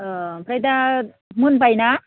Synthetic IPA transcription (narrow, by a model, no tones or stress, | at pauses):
pɾajd̪a | munbajna